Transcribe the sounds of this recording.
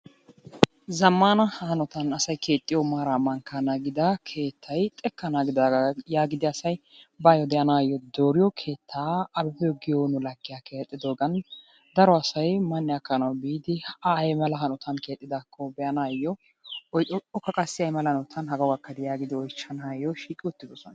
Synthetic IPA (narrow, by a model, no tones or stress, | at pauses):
zɐmːaːnɐhhɐnɔt̪ɐnɐsɐjkʰe̞ːt̪ʼːɪjɔmaːɾaːmɐŋkɐnaːɡɪd̪ɐkʰe̞ːt̪ʰːɐjt̪ʼɛkːɐnaːɡɪd̪aːjaːɡɪd̪ɪɐsɐj | bɐjɔd̪ɛjɐnaːjːɔd̪o̞ːɾɪjɔkʰe̞ːt̪ʰːaːɐbɛfɛjɔɡɪjonʊlɐɡːɪjake̞ːt̪ʼːɪd̪o̞ːɡɐn | d̪ɐɾɔɐsɐjmɐnːɪɐkːɐnɐwbiːd̪ɪajmɐlɐɦɐnɔt̪ʰɐnke̞ːt̪ʼːɪd̪aːkʰːɔbɛɐnaːjːɔ | ɔjʔɔɔkːɐkʼɐsːɪɐjmɐlɐhɐnɔt̪ʰɐnɦɐɡɐwɡɐkːɐd̪ɪjaːɡɪd̪ɪɔjt͡ʃːɐnaːjːɔʃiːkʼɪʊt̪ːɪd̪ɔsɔn